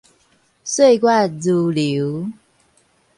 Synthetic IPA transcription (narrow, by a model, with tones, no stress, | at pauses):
swe˥˧ɪkwa˥˩lu˨˩li˨˧˦ʊ